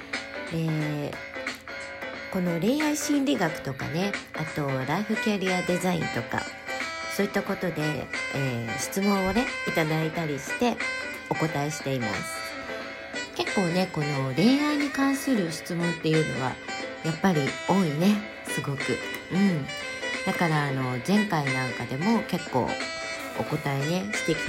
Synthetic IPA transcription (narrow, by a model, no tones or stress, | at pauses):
e̞ː | ko̞no̞ɾe̞ːaiɕĩnɾʲiɡakɯ̟̥t̪o̞ka̰ne̞at̪o̞ɾaiɸɯ̟kʲaɾʲiad̪e̞zaḭ̃nt̪o̞ka̰ | so̞ːit̪ːako̞t̪o̞d̪e̞eːɕi̥t͡sɨmõ̞ɰ̃o̞ne̞it̪ad̪ait̪aɾʲiɕi̥t̪e̞ | o̞ko̞t̪aeɕi̥t̪e̞ima̰sɨ̥ | ke̞kːo̞ːne̞ko̞no̞ɾe̞aiɲ̟ikãɰ̃sɨɾɯ̟ɕi̥t͡sɨmõ̞nt̪ːe̞jɯ̟no̞̰βa̰japːaɾʲio̞ːine̞ | sɨɡo̞kiɯ̟̃ɴ | d̪akaɾaːno̞zẽ̞ŋkainãŋkad̪e̞mo̞ke̞kːo̞̰ː | oko̞t̪aene̞ɕi̥t̪e̞iki